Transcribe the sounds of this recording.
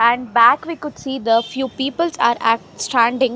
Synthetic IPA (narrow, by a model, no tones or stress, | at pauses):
æ̃ɳɖbæːkʋiːkʊɖsiːd̪əfjuːpiːpəlzaːɾæʈsʈæ̃ːɳɖɪ̃ŋ